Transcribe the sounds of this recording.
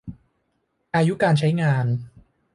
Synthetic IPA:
ʔaː˧ju˦˥kaː˧nt͡ɕʰa˦˥jŋaː˧n

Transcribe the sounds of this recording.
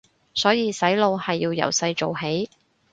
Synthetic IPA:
sɔː˨˥jiː˨˧sɐ˨˥jlo˧whɐ˨jːiː˧wjɐ̰˨˩wsɐ˧jt͡ʃo˨wɦe˨˥j

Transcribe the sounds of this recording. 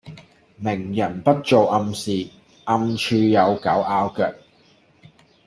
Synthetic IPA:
mɪ˨˩ŋjɐ˨˩npɐ˥t̚t͡so˨wʔɐ˧msiː˨ | ʔɐ˧mt͡ʃʰyː˧jɐ˨˧wkɐ˨˥wʔaː˧wkœː˨˩k̚

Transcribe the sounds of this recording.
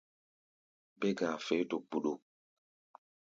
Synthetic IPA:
be˦ɡa˨fe˨˦to˨k͡pu˨ɗo˨

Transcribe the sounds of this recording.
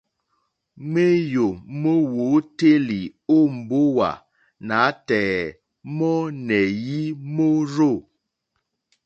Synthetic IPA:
me˦jo˨mo˦wo˨˦te˦li˨o˦˨m̩˨bo˦wa̰˨ | na˨˦tɛː˨ | mɔ˦nɛ˨ji˦mo˦ɾo˦˨

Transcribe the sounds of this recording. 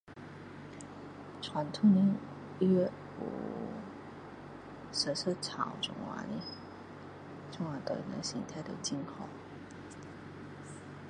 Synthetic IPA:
ʈ͡ʂʰwa˧˥nt̪ʰu˥ni˧˥n | ɛ˥˩ | ṵ˨˩ | ʂə˧˥sɤ˥t͡sʰɑ˨˩ʊʈ͡ʂʊ̰˧˩ŋwa̰˧˥nḭ˧˥ | ʈ͡ʂʊ˥ŋwa˧˥t̪ə˧˩nə̰˧˥ɕḭ˧˥ŋt̪ʰa˥˩ɪd̪ə˨t͡ɕi˥nkʰo˨˩˦ʊ

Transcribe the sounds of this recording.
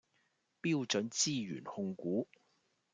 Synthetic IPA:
piː˥wt͡ʃɵ˨˥nt͡siː˥jy̰ː˨˩nhʊ˧ŋkuː˨˥

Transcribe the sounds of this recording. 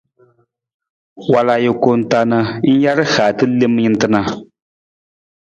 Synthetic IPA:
wa˨la˨jɛ˨ko˨n̩˨ta˨nɨ˦n̩˦ja˦ɾɨ˦haː˨tɨ˦le˦m˦ɲi˦n˦tɨ˦na˦

